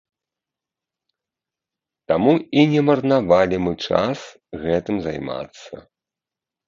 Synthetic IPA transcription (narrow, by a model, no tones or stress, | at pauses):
t̪amuinʲɛmɐrnavalʲimɨt͡ʂa̰s | ɣɛt̪ɨmzajma̰t̪sːɐ̰